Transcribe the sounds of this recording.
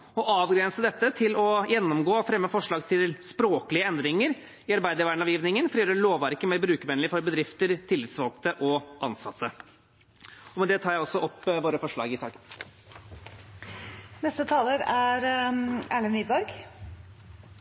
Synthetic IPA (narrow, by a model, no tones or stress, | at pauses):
ɔʔɑːʋɡɾɛnsəd̪ɛt̪ːət̪ʰɪlɔjɛnːɔmɡoːfɾɛmːəfɔʂɭɑːɡt̪ʰɪlspɾoːkəlɪəɛnd̪ɾɪŋəɾ | ɪɑɾbæɪd̪əɾʋæɳɑʋjiːʋnɪŋənfɔɾɪjøːɾəɭoːʋʋæɾkəmeːɾbɾʉːkəmɛnlɪfɔɾbəd̪ɾɪft̪əɾt̪ʰɪlːɪt̪sʋɑlkt̪əʔɔʔɑnsɑt̪ʰːə | ɔmɛnd̪ɛt̪ʰɑːɾjæɪɔsːɔʔɔpːʋoːɾəfɔʂɭɑ̰ːɡɪsɑ̰ːkən | nɛst̪ət̪ʰɑːləɾæɾæːɭənʋiːbɔɾɡ